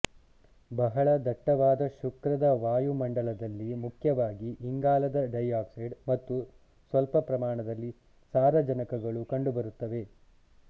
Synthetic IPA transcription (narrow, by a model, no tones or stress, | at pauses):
bɐɦɐɭɐd̪ɐʈːɐʋaːd̪ɐʃukɾɐd̪ɐʋaːjumɐɳɖɐɭɐd̪ɐlːimukʰjɐʋaːɡiʔːŋɡaːlɐd̪ɐɖɐjaːksiɖmɐt̪ːu | sʋɐlpɐpɾɐmaːɳɐd̪ɐlːi | saːɾɐd͡ʒɐnɐkɐɡɐɭukɐɳɖubɐɾut̪ːɐʋe̞